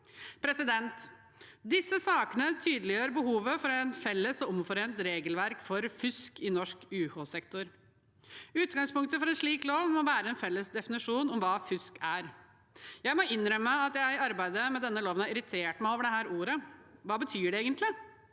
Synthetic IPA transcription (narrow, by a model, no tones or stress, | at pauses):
pʰɾɛsɪd̪ɛnt̪ | d̪ɪsːəsɑːkənət̪ʰyːd̪əlɪjøːɾbəɦuːʋəfɔɾɛnfɛlːəsɔʊmfɔɾeːnt̪ɾeːɡəlʋæɾkfɔɾfʏskɪnɔʂkʉːhosɛkt̪ʊɾ | ʉːt̪ɡɑŋspʊŋk̚t̪əfɔɾɛnʂɭiːkloːʋmɔʋæːɾəɛnfɛlːəsd̪ɛfɪnɪʂuːnɔmʋɑːfʏskæɾ | jæɪmɔɪnːɾœməəɑt̪jæɪɑɾbæɪd̪əmɛd̪ɛnːəloːʋənhɑɾɪɾɪt̪ʰeːʈmæɪoːʋəɖɛhæːɾuːɾəʋɑːbət̪ʰyːɖɛeːɡənt̪ʰlɪ